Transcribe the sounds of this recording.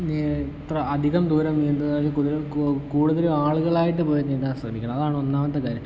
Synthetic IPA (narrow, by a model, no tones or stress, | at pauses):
nit̪rɐɐd̪ʱiɣɐmd̪uːɾɐmend̪ɐðalekuðiɾekuːɽuðɐleaːɭuɣɐɭaːjiʈ̬ːɨpo̞ːjininːansɐmikʲːɐɳɐmɐðaːɳonːaːmɐt̪ːɐkaːɾjɐm